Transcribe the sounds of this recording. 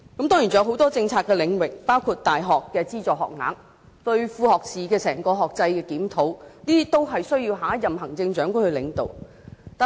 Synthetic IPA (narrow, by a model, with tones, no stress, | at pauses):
kɐ˨˥mt̪ɔː˥ŋji˨˩t͡sjɐ˧wɦo˨˥wt̪ɔː˥t͡sɪ˧ŋt͡sʰaː˧t̚kːɛ˧lɪ˨˧ŋwɪ˨k̚paː˥wkʰuː˧t̚t̪aː˨jɦɔː˨kːɛː˧t͡siː˥t͡sɔː˨˩hɔ̰ː˨k̚ŋa̰ː˨˥ŋ | t̪ɵ˧ɥfuː˧hɔː˨k̚sʰiː˨˩kɛː˧sɛː˨˩ŋkɔː˧ɦɔː˨k̚t͡sɐ˧jkɛː˧kiː˨˥mt̪ʰo˨˥wniː˥i˥t̪o˥wɦɐ˨jsɵ˥ɥjiː˧wɦaː˨˥jɐ˨mɦɐ˨˩ŋt͡sɪ˧ŋt͡ʃœː˨˥ŋkʷʊ˥nhɵ˧ɥlɪ̰˨˥ŋt̪o̰˨˩w | t̪aː˨